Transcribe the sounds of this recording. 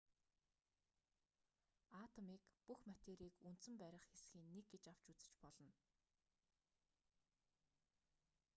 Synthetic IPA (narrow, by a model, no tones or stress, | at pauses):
aːt̪ʰɔmiːkpuxmat̪eːɾiːkunt̪sɘ̆mpæɾʲɪ̆χxesxiːnːek̚ɡet͡ɕaw̥t͡ɕut͡sɘ̥̆t͡ɕpɔɮɞ̆n